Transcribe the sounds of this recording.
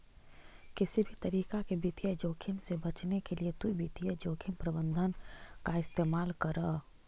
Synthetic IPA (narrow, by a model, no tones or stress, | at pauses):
kɪsibʱit̪ɐɾiːkakebit̪ijəd͡ʒoːkʰɪmsebɐt͡ʃnekeliet̪uibit̪ijəd͡ʒoːkʰimpɾəbə̃nd̪ʱənkaɪst̪eːmaːlkɐɾə